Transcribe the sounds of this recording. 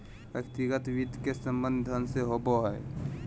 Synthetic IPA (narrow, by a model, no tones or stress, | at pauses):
jəkt̪iɡət̪ʋid̪ʱkesəmbənd̪ʱənseɦoboɦɛj